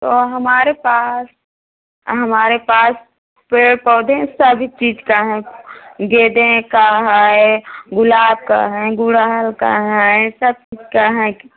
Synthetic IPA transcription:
t̪oːɦɐmaːɾepaːs | ɦɐmaːɾepaːs | peːɽpɔːd̪ʱɛ̃səbʱit͡ʃiːd͡ʒkaɦɛ̃ɡeːd̪ẽkaːɦaːeɡʊlaːb̚ka̰ɦɛ̃ɡʊɽaɦəlka̰ɦɛãsɐb̚t͡ʃiːd͡ʒkaɦɛ̃

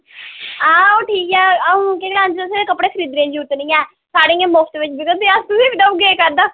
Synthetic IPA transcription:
ãːoːʈʰiːkɛːəũːkeːlãːnd͡ʒ̪əseeːkəpɽeːkʰəɾiːd̪ɾẽãːd͡ʒiːʊt̪ːnĩːɛː | saːɽĩːẽːmʊfʰt̪ʋɪt͡ʃbɪɡət̪̚ːeːast̪ʊsiːpɪɖəuɡeːkəɾd̪aː

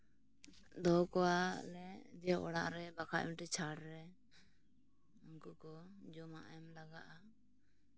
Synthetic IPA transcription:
d̪ɔkɔwalɛd̪ɛjaʔɔɽaʔɾɛbakʰa̰ʔmiʈɛt͡ʃʰaɽɾɛ | əŋkuʔkɔd͡ʒɔmaʔajmlaɡaʔa

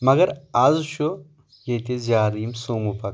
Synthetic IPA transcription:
mɐɡɐɾazʃo | jet̪ezjaːɾimsoːmupɐk

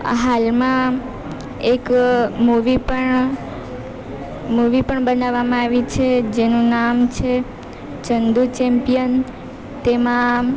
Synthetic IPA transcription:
ɦalmã | ekmuʋipəɳ | muʋipəɳbənaʋːamãaʋit͡ʃʰed͡ʒenũnamt͡ʃʰe | t͡ʃənd̪ut͡ʃɛmpijən | t̪emã

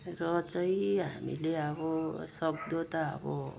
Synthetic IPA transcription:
rʌt͡sʌiɦa̰mḭleʌbʌsʌb̚d̪ot̪aʌ̰bʌ̰

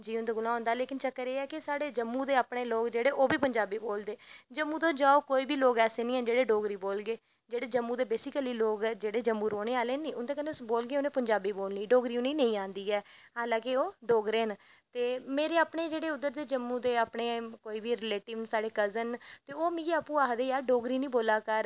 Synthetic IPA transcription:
d͡ʒiːʊnd̪aːɡʊlãːɦõːnd̪aːleːkɪnt͡ʃəkːəɾeːɛːkɪsaːɽeːd͡ʒəmːũːd̪eːaːpɳeːloːɡd͡ʒeːɽeːʔoːbiːpəɲd͡ʒaːbiːboːld̪eːd͡ʒəmːũːt̪oːd͡ʒaːoːkoːiːbiːloːɡɛːseːnĩːɛ̃nd͡ʒeːɽeːɖoːɡɾiːboːlɡeː | d͡ʒeːɽeːd͡ʒəmːũːd̪eːbeːsɪkəliːloːɡd͡ʒeːɽeːd͡ʒəmːũːɾoːɽeːaːleːnĩːʊnd̪eːkəneʊsboːlɡeːʊnẽːpəɲd͡ʒaːbiːboːlniːɖoːɡɾiːʊneiːnə̃ĩːãːnd̪iːɛːɦaːlãːkɪoːɖoːɡɾeːnt̪eːmeːɾeːaːpɳeːd͡ʒeːɽeːʊd̪ːəɾd̪eːd͡ʒəmːũːd̪eːaːpɳeːkoːiːbiːɾɪleːʈɪʋnsaːɽeːkəzənt̪eːoːmĩːaːpũːaːɦd̪eːjaːɖoːɡɾiːnĩːboːlaːkəɾ

